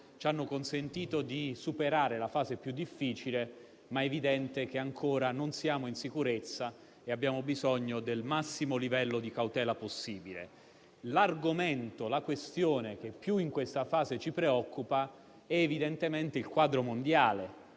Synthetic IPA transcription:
t͡ʃanːokonsent̪iːt̪od̪isupeɾaːɾelafaːzepjud̪ːifːiːt͡ʃile | maevid̪ɛnt̪ek̟eaŋkʰoːɾanonsjaːmoinsikuɾet̪sːa | eabːjaːmobizɔɲːod̪elmasːimolivɛlːod̪ikawt̪ɛːlaposːiːbilḛ | larɡoment̪olakwest̪joːnek̟epːjuiŋkwest̪afaːzet͡ʃipɾeɔkʰːupa | ɛːvid̪ent̪ement̪eilkwaːd̪ɾomond̪jaːle

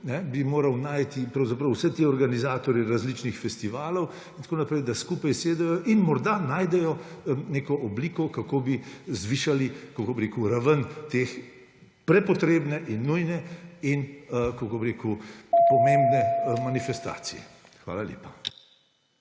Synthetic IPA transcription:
nɛbimoːɾɐwnaːjt̪ipɾɐwzapɾɐwsɛt̪eːɔɾɡanizaːt̪ɔɾjɛɾazlit͡ʃnixfɛst̪iʋaːlɔw | int̪koːnapɾɛjd̪askuːpajseːd̪ɛjɔʔinmɔɾd̪anaːjd̪ɛjɔneːkɔʔɔbliːkɔkakoːbizʋiːʃalikokobɾeːkuɾaʋənt̪eːx | pɾɛpɔt̪ɾeːbnɛʔinːujnɛinkokobɾeːkupɔmẽːmbnɛmanifɛst̪a̰ːsḭjɛ̰ | xʋa̰ːlaljḛːpḁ

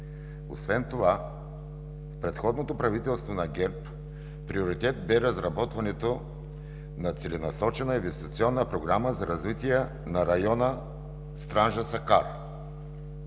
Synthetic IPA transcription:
o̰svɛnt̪ova | fpɾɛt̪xɔd̪not̪opɾɐvit̪ɛlˠst̪vonɐɡɛɾp | pɾioɾit̪ɛt̪̚bɛɾəzɾɐbɔt̪vɐnɛt̪o | nɐt̪sɛlɛnɐsɔt͡ʃɛnəinvɛst̪i̥t̪siɔnːəpɾoɡɾaməzɐɾɐzvit̪ijɛ | nɐɾɐjɔnə | st̪ɾanʒəsɐkaɾ

